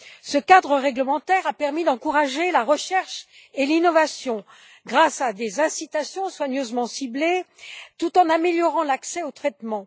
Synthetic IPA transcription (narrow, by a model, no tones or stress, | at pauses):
səkad̪ʁəʁɛɡləmɑ̃t̪ɛʁapɛʁmid̪ɑ̃kuʁaʒelaʁəʃɛʁʃ | elinɔvasjɔ̃ | ɡʁasad̪ezɛ̃sit̪asjɔ̃swaɲøzmɑ̃siblet̪ut̪ɑ̃nameljɔʁɑ̃laksɛot̪χɛt̪mɑ̃